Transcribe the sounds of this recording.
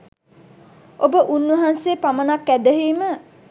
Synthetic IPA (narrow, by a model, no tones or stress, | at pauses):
ʔobəʔunʋəɦansepamənakːæd̪əɦiːmə